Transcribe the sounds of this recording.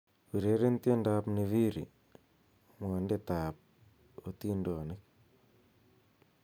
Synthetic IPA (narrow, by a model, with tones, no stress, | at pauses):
pi˨ɾe˨˦ɾe˦nte˦nda˦pni˨βi˦ɾḭ˨ | mo˨nde˦taː˨p̚ | o˨ti˦ndo˨nɪ˦k̚